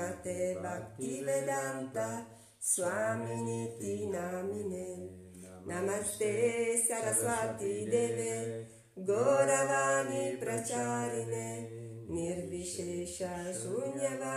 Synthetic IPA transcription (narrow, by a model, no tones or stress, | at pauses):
at̪ebakt̪ived̪ant̪a | swaminit̪inamine | namat̪esaɾaswat̪id̪ene | ɡoɾavanipɾat͡ʃaɾine | niɾviʃeʃasuɲava